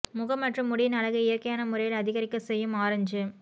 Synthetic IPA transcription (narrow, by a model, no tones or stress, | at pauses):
mʊɣɐmːɐʈrɯmːʊɽɪjɪnɐɭɐɣɯɪjɐɾkːɐjaːnɐmʊɾɐjɪlɐðɪɣɐɾɪkːɐsɛjːɯmaːɾɐɲd͡ʒɯ